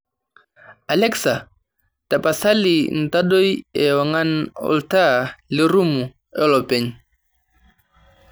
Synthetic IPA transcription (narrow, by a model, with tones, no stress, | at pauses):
a˨lɛ˦ksa˨ | ta˨pa˨sa˦li˨n̩˨ta˦ɗo˦jɛ˨wa˨ŋa˦nɔ̰lta˦li˦ɾu˦mu˨ | ɛ˦lɔ˨pɛ˨ɲ